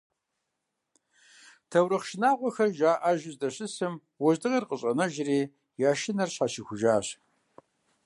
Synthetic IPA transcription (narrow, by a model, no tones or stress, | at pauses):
tʰɐwɾɨχʃɪnaːʁʷɔxɐrʒaːʔaʒɪzdɐɕɪsɨm | wɔʑdɨʁɐrqʼəɕʼɐnɐʒɪriː | jaːʃɪnɐrɕaɕixʷʊʒaːɕ